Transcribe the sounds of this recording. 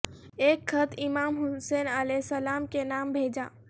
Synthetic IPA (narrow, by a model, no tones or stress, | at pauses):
eːkxət̪ʰɪmaːmɦʊseːnəlɛːsəlaːmkenaːmbʱeːd͡ʒaː